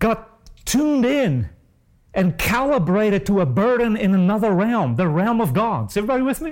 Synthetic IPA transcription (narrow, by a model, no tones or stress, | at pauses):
ɡ̥ɑtʰ | ũndɪ̃n | ʔɨ̃nkʰælˠəbɹeɪɾɨd̚tʰəəbɜ˞dⁿn̩ɪ̃nɨnʌðə˞ɹɛlˠmðɨɹɛlˠmʌvɡɑdz̥ɛvɹibɑɾiwɨðmi